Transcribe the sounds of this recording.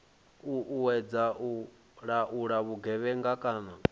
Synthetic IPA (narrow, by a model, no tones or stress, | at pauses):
uʔuwɛd͡zaʔu | ɺaʔuɺaβuɡɛβɛŋɡakʼaːna